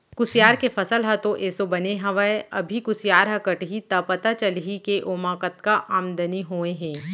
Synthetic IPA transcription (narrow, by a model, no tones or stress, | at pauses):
kʊsjaːɾkefʰɐsəlɦɐt̪oʔeːsobɐneɦɐʋaeɐ̰bʱikʊsijaːɾɦɐkəʈɦit̪ɐpɐt̪at͡ʃəlɦikeʔoːmaːkət̪kaʔaːmd̪əniɦoːẽɦɛ̃ː